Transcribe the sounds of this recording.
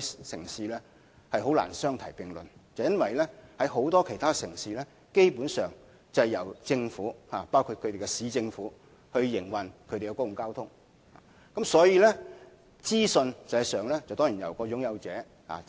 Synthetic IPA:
sɪ˨˩ŋsiː˨lɛː˥ | hɐ˨jɦo˨˥wla̰ː˨˩nsœː˥ŋt̪ʰɐ˨˩jpɪ˨˩ŋlɵ̰˨˩nt͡sɐ˨˩wjɐ˥nwɐ˨jlɛ˥hɐ˨˥jɦo˨˥wt̪ɔː˥kʰe˨˩jt̪ʰaː˥sɪ˨˩ŋsiː˨lɛː˥ | ke˥jpuː˨˥nsœː˨˩ŋ | t͡sɐ˨jɐ˨˩wt͡sɪ˧ŋfuː˨˥haː˨paː˥wkʰu˧t̚kʰɵ˨˧t̪e˨jkɛ˧siː˨˥t͡sɪ˧ŋfuː˨˥ | hɵ˧ɥjɪ˨˩ŋwɐ˨˩nkʰɵ˨˧t̪e˨˩kɛ˧kɔ˥jʊ˨ŋkaː˥wt̪ʰʊ˥ŋ | haː˨ | kɐ˨˥msɔː˨˥jiː˧lɛ˥ | t͡siː˥sɵ˧nt͡sɛː˨˧˥sœː˨ŋlɛ˥t͡sɐ˨wt̪ɔː˥ŋji˨˩njɐ̰˨˩wkɔː˧jʊ˨˥ŋjɐ˨˧wt͡sɛː˨˧˥ | ha̰ː˨˩

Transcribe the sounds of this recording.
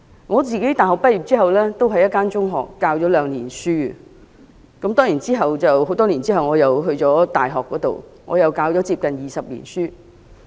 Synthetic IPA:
ŋɔː˨˧t͡siː˨˧ke˨˥jt̪aː˨jɦɔ˨k̚pɐ˥t̚jiː˨p̚t͡siː˥ɦɐ˨wlɛː˥t̪o˥wɦɐ˨jːɐ˥t̚kːaː˥nt͡sʊ˥ŋɦɔ̰ː˨kːaː˧wt͡ʃɔː˨˥lœː˨˧ŋliː˨˩nsyː˥ | kɐ˨˥mt̪ɔː˥ŋjiː˨˩nt͡siː˥ɦɐ˨wt͡sɐ˨who˨˥wt̪ɔː˥liː˨˩nt͡siː˥ɦɐ˨wŋɔː˨˧jɐ˨wɦɵ˧ɥt͡sɔː˨˥t̪aː˨jɦɔː˨kːɔː˨˥t̪o̰˨wŋɔ̰ː˨˧jɐ˨wkaː˧wt͡ʃɔː˨˥t͡siː˧p̚kɐ˨njiː˨˩sɐ˨p̚lḭ˨˩nsyː˥

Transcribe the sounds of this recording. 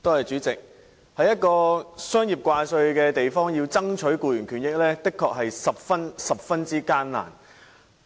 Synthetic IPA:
t̪o˥whɐ˨jt͡ʃyː˨˥t͡sɪ˨k̚ | hɐ˨˥jɐ˥t̚kɔː˧sœː˥ŋji˨p̚kʷaː˧sɵ˧ɥkɛː˧t̪e˨jfɔː˥ŋjiː˧wt͡sɐ˥ŋt͡ʃʰɵ˨˥ɥkuː˧jyː˨˩nkʰyː˨˩njɪ˥k̚lɛː˥t̪ɪ˥kʰːɔː˧k̚ɦɐ˨jsɐ˨p̚fɐ˥nsɐ˨p̚fɐ˥nt͡siː˥kaː˥nla̰ː˨˩n

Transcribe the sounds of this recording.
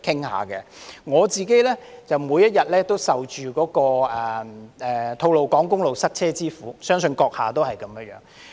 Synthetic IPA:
kʰɪ˥ŋha̰ː˨kɛ˧ŋɔː˨˧t͡siː˨˩ke˨˥jlɛː˥t͡sɐ˨wmuː˨˧jɐ˥t̚jɐ˨t̚lɛː˥t̪o˥wsɐ˨wt͡ʃyː˨kɔː˨˥kɔː˧ɛː˨ɛː˨˩t̪ʰo˧wlo˨wkɔː˨˥ŋkʊ˥ŋlo˨wsɐ˥t̚t͡sʰɛː˥t͡siː˥fuː˨˥sœː˥ŋsɵ˧nkɔː˧k̚ha̰ː˨˩t̪o˥whɐ˨jkɐ˨˦mjœ˧˥jœ̰ː˨˥ŋ

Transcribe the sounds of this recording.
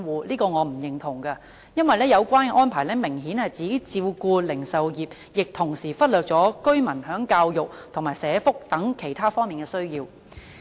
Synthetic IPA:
wuː˨˧liː˥kɔː˧ŋɔː˨˧m̩˨˩jɪ˨ŋt̪ʰʊ˨˩ŋkɐ˧ | jɐ˥nwɐ˨jlɛː˥jɐ˨˧wkʷaː˥nkɛ˧ʔɔː˥npʰaː˨˩jlɛː˥mɪ˨˩ŋɦiː˨˥nhɐ˨jt͡siː˨˧ke˥t͡siː˧wkuː˧lɪ˨˩ŋsɐ˨wjiː˨p̚ | jɪ˨k̚t̪ʰʊ˨˩ŋsiː˨˩fɐ˥t̚lœː˨k̚t͡sɔː˨˥kɵ˥ɥmɐ˨˩nhœː˨˥ŋkaː˧wjʊ˨k̚t̪ʰʊ˨˩ŋmaː˨˩jsɛː˨˧˥fʊ˥k̚t̪ɐ˨˥ŋkʰe˨˩jt̪ʰaː˥fɔː˥ŋmiː˨˩nkɛː˧sɵ˥ɥjiː˧w

